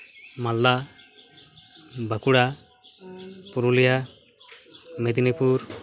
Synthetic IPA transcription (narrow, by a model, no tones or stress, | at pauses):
malːa | bʱakuɽa | puɾulija | med̪inipuɾ